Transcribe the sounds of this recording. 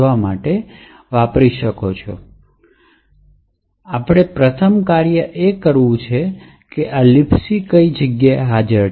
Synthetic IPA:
ʋamaʈe | ʋapɾiʃəkot͡ʃʰo̰ | apɽ̃epɾət̪ʰəmkaɾjəʔekəɾʋũt͡ʃʰe | keʔalipʰsikəid͡ʒəɡjaeɦad͡ʒəɾ

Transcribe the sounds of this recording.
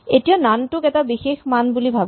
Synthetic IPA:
etijonanʈʊkɛtabixexmanbulibʱab

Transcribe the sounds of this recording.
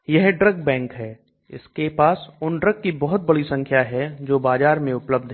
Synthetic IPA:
jɛɦɖɾəɡbɛ̃ːŋkɦɛː | ɪ̰skepaːsʊnɖɾəɡːibɔɦʊt̪̚bɐɽisɐ̃ŋkʰjaɦɛd͡ʒoːbaːd͡ʒaːɾmẽʊpləb̚d̪ʱɦɛ

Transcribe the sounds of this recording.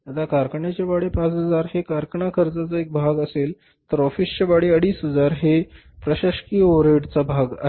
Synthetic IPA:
at̪akaɾkəɳjat͡ɕjaʋaɽepãt͡sɦəd͡zaɾɦekaɾkəɳakʰəɾd͡zat͡saek̚bʱaɡəsel | t̪əɾɔfist͡ɕaʋaɽeəɽiːsɦəd͡zaɾɦe | pɾəɕaɕkiːoɾeɽt͡sabʱaɡa

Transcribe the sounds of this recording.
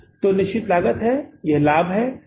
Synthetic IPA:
t̪onɪʃt͡ʃɪt̪laːɡət̪ɦɛjɛɦlaːbɦɛː

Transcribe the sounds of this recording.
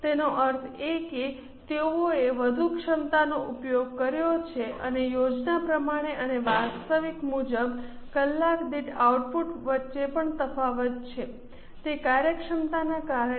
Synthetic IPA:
t̪enoʔəɾt̪ʰeke | t̪eoeʋəd̪ʱukʃəmt̪anoʔupjoɡ̚kəɾjot͡ʃʰeʔənejod͡ʒnapɾəmaɽ̃eʔəneʋast̪əʋikmud͡ʒəb | kəlːakd̪iʈauʈpuʈʋətːʃepəɳt̪əfaʋət̪̚t͡ʃʰe | t̪ekaɾjəkʂəmt̪anakaɾ

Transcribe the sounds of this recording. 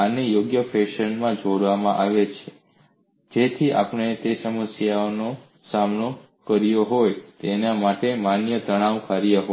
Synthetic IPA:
anejoɡjəfʰeʃənmãd͡ʒʱoɽʋamãʔaʋet͡ʃʰe̥ | d͡ʒet̪ʰiʔa̰pəɳ̃et̪esəməsjaono | samno | kəɾjoɦojt̪enamaʈemanjət̪əɽ̃aʋkʰaɾijaɦo

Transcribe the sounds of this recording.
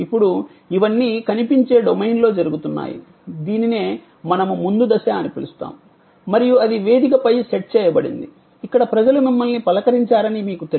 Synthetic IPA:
ipːuɽu | iʋɐnːiːkɐnipiɲt͡ʃe̞ːɖomɐjnlo̞ːd͡ʒɐɾuɡut̪unːa̰ːjḭ | d̪iːnine̞ː | mɐnɐmumund̪ud̪ɐsaːɐnɐpilust̪a̰ːmu | mɐɾijuɐd̪iʋe̞ːd̪ikɐpɐjseʈ̚t͡ʃɛːjɐbɐɽḭnd̪i | ikːɐɽɐpɾɐd͡ʒɐlumimːɐlnipɐlɐkɐɾiɲt͡ʃaːɾɐnimiːkut̪e

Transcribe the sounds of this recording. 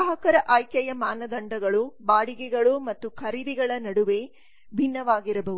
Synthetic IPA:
ɐɦɐkɐɾɐʔaːjkjɐjɐmaːnɐd̪ɐɳɖɐɡɐɭubaːɽiɡɛɡɐɭumɐt̪ːukʰɐɾid̪iɡɐɭɐnɐɽuʋe̞ | bʱinːɐʋaːɡiɾɐbɐʋu

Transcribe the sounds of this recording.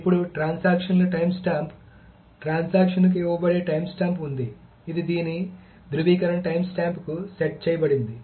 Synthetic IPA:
ipːuɽuʈɾaːnsaːkʂɐnlɐʈɐjmsʈaːmp | ʈɾaːnsaːkʂɐnk̬iʋɐbɐɽeːʈɐjmsʈaːmpund̪iː | d̪id̪iːni | d̪ɾuʋiːkɐɾɐnɐʈɐjmsʈaːmpkuseʈ̚t͡ʃɛːjɐbɐɽind̪i

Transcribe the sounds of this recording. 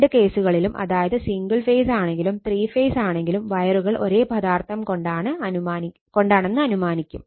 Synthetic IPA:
ɖɨke̞ːsuɣɐɭilumʔɐ̰ðaːjɐðɨsiŋɡɐɭfeːsaːɳe̞ŋɡilumt̪riːfeːsaːɳe̞ŋɡilumʋɐjɐruɣɐɭʔo̞̰ɾe̞ːbɐðaːrt̪ʰɐmkoɳɖaːɳɨɐaːi | ko̞ɳɖaːɳe̞nːɨɐnumaːnikʲːum

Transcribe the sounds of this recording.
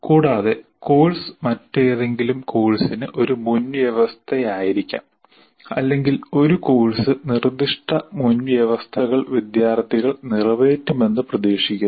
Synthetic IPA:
kuːɽaːðe̞ko̞ːɭsɨ̥mɐtːejɐðe̞ŋɡilumko̞ːɭsinɨʔo̞ɾumunjɐʋɐst̪ʰɐjaːjiɾikʲːa̰ːm | ɐ̰lːe̞ŋɡilo̞ɾuko̞ːɭsɨnird̪iʂʈɐmunʋjɐʋɐst̪ʰɐɣɐɭʋid̪jaːrt̪ːiɣɐɭnirɐʋe̞ːtːume̞nːɨprɐd̪eːʂikʲːu

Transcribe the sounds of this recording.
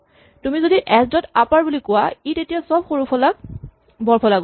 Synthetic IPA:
tumizodiʔɛsdɔtapaɹbulikʊwaitetijasɔbxoɹupʰɔlak̚ | bɔɹpʰɔlaɡɔ

